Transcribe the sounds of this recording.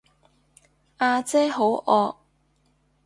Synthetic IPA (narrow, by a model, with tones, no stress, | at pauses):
ʔaː˧t͡sɛː˥ɦo˨˥wʔɔː˧k̚